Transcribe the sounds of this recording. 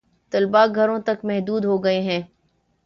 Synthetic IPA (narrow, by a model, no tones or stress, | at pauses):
t̪ɐlbaɡʱɐɾõt̪ɐkmɛɦd̪uːd̪ɦoɡɐeɦɛ̃ː